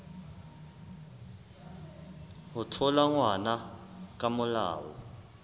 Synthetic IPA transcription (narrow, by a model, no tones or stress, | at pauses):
utʰɔlaŋwanak̬ʼamʊla̰ːwɔ̰